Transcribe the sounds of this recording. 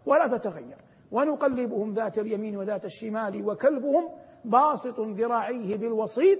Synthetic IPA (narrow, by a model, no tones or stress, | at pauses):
walaːt̪at̪aɣajːɑɾˤ | wanʊqɑlːɪbʊhʊmðaːt̪aljamiːnwaðaːt̪aʃːɪmaːlɪwakalbʊhʊm | bɑːsˤɨt̪ˤʊðɪɾˤɑːʕɪjhɪbɪlwɑsˤiːt̪̚